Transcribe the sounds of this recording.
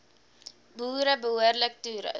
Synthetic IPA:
buːɾəbəɦuərlək̚tyːɾə̰

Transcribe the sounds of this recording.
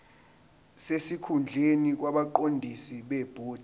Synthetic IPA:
sesikʰund͡ɮʱenik̬waɓaǃondʱisiɓɛb̥ʱoːd̥ʱ

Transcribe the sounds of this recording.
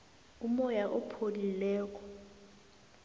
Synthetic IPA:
umɔjaʔɔpʰolilɛːk̬ʼɔ̥

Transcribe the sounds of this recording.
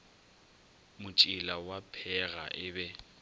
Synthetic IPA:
mʊt͡ʃʼɪlawapʰɛɣa̰ʔɪbɛ

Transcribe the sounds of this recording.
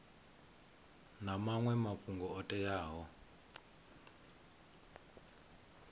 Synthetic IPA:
namaŋwɛmapuŋɡɔɔtʼɛjaːɦɔ

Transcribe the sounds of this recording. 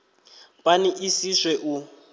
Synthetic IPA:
pʼaniʔisiswɛʔu

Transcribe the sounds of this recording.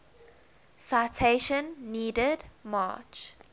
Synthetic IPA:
saɪtʰeʃə̃nːiːdədma̰ːt͡ʃ

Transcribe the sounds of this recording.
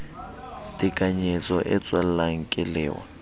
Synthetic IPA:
tʼɪkʼaɲet͡sʼɔʔɛt͡sʼwal̩laŋ̩kʼɪlɛ̰ːwa̰

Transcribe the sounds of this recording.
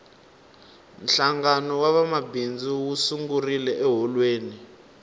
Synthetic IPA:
n̩ɬaŋɡanɔwaβamabind͡ziwusuŋɡurilɛʔɛɦɔlweːni

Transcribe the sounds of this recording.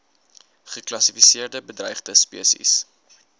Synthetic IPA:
χəklɐsifisiərdəbədrɛjχdəspḭəsḭs

